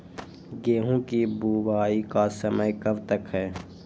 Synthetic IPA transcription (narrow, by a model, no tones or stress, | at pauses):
ɡeːɦũːkibuːbaːikasəməjkəbt̪əkɦɛː